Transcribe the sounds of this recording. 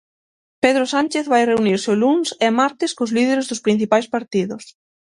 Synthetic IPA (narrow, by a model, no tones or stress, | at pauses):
peð̞ɾʊsanʲt͡ʃeθβajreuniɾsɪʊlunsɛmaɾt̪ɪskozliðeɾezðʊspɾin̟θipajspaɾt̪iðʊs